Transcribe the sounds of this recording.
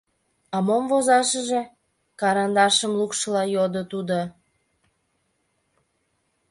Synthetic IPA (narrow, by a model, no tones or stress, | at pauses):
ɑmomvozɑʃəʒe̽ | kɑɾɑnd̪ɑʃəmlukʃəlɑjod̪ot̪ud̪o